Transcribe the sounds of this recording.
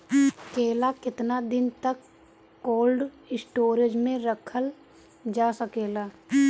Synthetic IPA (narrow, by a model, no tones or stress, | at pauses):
keːlakɪt̪nad̪ɪnt̪əkː | oːlɖ | ɪsʈoːɾed͡ʒmẽɾəkʰəl | d͡ʒaːsəkeːlaː